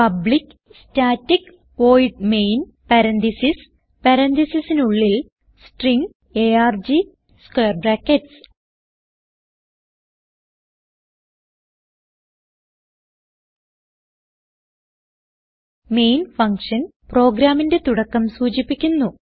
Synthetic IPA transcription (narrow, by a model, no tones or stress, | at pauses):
pɐbɭik | staːtːik | ʋo̞ːjɖmejn | pɐɾɐnt̪isis | pɐɾɐnd̪isisinuɭːil | sʈriŋɡ | eaːrd͡ʑi | skeːrbraːkːeʈs | me̞jnfɐŋkʂɐnpro̞ːɡɾaːminde̞t̪uɽɐkːɐmsuːt͡ɕipːikʲːunːu